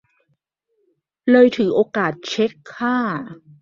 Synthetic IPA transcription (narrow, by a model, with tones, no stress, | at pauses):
lɤː˧jt̪ʰɯː˩˦ʔoː˧kaː˨˩t̪̚t͡ɕʰe˦˥kʰːaː˥˩